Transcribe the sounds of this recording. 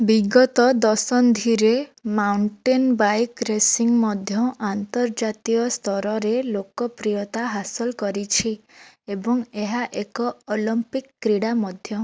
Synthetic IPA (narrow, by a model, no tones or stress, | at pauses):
biɡɔt̪ɔd̪ɔsɔnd̪ʱiɾemawɳʈenbajkɾesiŋmɔd̪ʱjɔant̪ɔɾd͡ʒat̪iɔst̪ʰɔɾɔɾelokɔpɾijɔt̪aɦasɔlkɔɾit͡ʃʰi | ebɔŋeɦaʔekɔolimpikːɾiɽamɔd̪ʱjɔ